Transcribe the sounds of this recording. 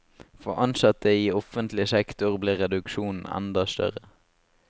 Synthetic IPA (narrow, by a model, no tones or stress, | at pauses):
fɔʔɑnsɑt̪əiːɔfənt̪lɪəsɛkt̪ʊʁbliːʁɛd̪ʉkʃuːnn̩ɛ̰nd̪ɑst̪œ̰ʁə